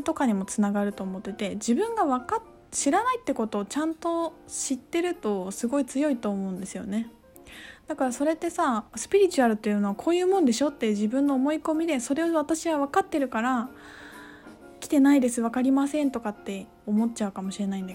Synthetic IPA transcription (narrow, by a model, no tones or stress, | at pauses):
t̪o̞kaɲ̟imo̞t͡sɨnaɡaɾɯ̟t̪o̞ːmo̞t̪ːe̞t̪e̞d͡ʑibɯ̟̃ŋɡaβaka | ɕiɾanait̪ːe̞ko̞t̪o̞ːt͡ɕãnt̪o̞ɕit̪ːe̞ɾɯ̟t̪o̞sɨɡo̞it͡sɨjo̞it̪o̞ːmo̞ɯ̟̃nd̪e̞sɨjo̞̰ne̞ | d̪̥akaɾaso̞ɾe̞t̪ːe̞sasɨ̥pʲiɾʲit͡ɕɨaɾɯ̟t̪ːejɯ̟noakʰo̞ːjɯ̟ːmõ̞nd̪e̞ɕo̞t̪ːe̞ʑibɯ̟̃nːoːmo̞iko̞mʲid̪e̞so̞ɾe̞oβat̪aɕiɡaβakat̪ːe̞ɾɯ̟kaɾa | kʲi̥t̪e̞naid̪e̞sɨβ̞akaɾʲimasẽ̞nt̪o̞kat̪ːe̞ | omo̞tt͡ɕaɯ̟kamo̞ɕiɾe̞naĩnd̪a